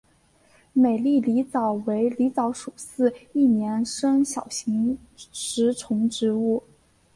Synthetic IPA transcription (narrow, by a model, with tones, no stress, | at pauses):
me˨˩ɪli˥˩li˧˥t͡sɑ˨˩ʊwe˧˥ɪli˧˥t͡sɑ˧˥ʊʂu˨˩sɹ̩˥˧i˥˩njɛ˧˥nʂɤ˥ŋɕjɑ˨˩ʊɕi˧˥ŋ | ʂɻ̩˧˥ʈ͡ʂʰʊ˧˥ŋʈ͡ʂɻ̩˧˥u˥˩